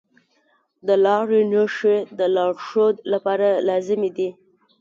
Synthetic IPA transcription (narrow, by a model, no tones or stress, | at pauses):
d̪əlɑɾenjoʃed̪əlɑɽʃod̪lapɑɾalɑzɪmed̪i